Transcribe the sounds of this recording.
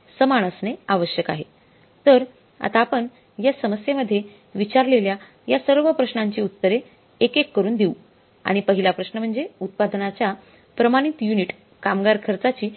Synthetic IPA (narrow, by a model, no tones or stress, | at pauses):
səmaɽ̃əsneaʋəɕjəkaɦe | t̪əɾ | a̰t̪aːpəɳ | jasəməsjeməd̪ʱːje | ʋit͡ɕaɾlelja | jasəɾʋəpɾəɕɳaɲt͡ɕiːut̪ːəɾe | ekekːəɾuːnd̪iu | a̰ɽ̃ipəɦilapɾəɕnəm̤əɳd͡zeut̪̚pad̪nat͡ɕja | pɾəmaɽ̃it̪juniʈ | kamɡaɾkʰəɾt͡sat͡ɕiː